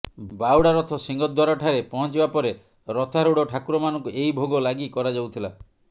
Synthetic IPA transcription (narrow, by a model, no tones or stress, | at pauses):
bawɽaɾɔt̪ʰɔsiŋɡɔd̪ʱwaɾɔʈʰaɾepɔɦɔ̃nt͡ʃibapɔɾe | ɾɔt̪ʰaɾuɽɔʈʰakuɾɔmanɔŋkuʔejbʱoɡɔlaɡikɔɾad͡ʒawt̪ʰila